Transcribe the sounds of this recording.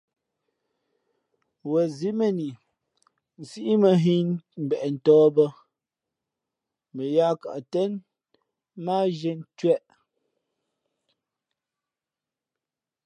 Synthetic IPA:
wɛ˨zi˦mɛ˦˨ni˨ | n̩˨si˦ʔi˦mə˨ɦi˦nm̩˨bɛ˨ʔɛ˨n̩˨tɔː˦bə˦ | mə˨ja˦ka̰˨ʔtɛ˦n | maː˦ʒɛ˦n˦tɥɛ˦ʔ

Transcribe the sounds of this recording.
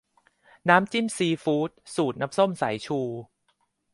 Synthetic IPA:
naː˦˥mt͡ɕi˥˩msiː˧fuː˦˥t̪̚suː˨˩t̪̚na˦˥mso˥˩msa˩˦jt͡ɕʰuː˧

